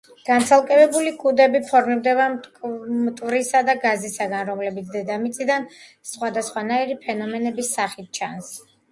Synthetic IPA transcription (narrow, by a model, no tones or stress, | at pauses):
ɡ̥ant̪sʰalˠkʼɛbɛbulikʼud̪ɛbipʰɔɾmiɾd̪ɛba | mt̪ʼvɾisad̪aɡazisaɡanɾɔmlɛbit̪sʰd̪ɛd̪amit̪sʼid̪an | sχwad̪asχwanaiɾipʰɛnɔmɛnɛbisːaχit̪̚t͡ʃʰans